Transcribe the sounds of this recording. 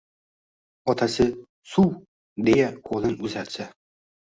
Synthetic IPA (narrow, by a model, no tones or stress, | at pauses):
ɒt̪ʰasɪ | suw | d̪e̞jaqʰolˠɪnʊzaɾsa